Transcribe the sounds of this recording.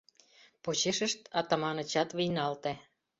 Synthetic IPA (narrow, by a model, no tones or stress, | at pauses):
pot͡ɕeʃə̆ʃt̪ɑt̪ɑmɑnɤ̆t͡ɕɑt̪βijnɑlt̪æ